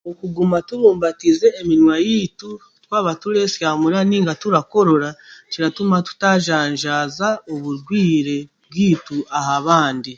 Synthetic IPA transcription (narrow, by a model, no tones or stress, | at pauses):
okuɡumatuβuːmbatize̞ːminwajitu | twaːβatule̞sjaːmuɾaniːŋɡatuɾako̞ɾo̞ɾaciɾatumatu̥taʒaːɲʒaːzaoβuɾɡwiːɾe̞bɡwiːtuahaβaːndi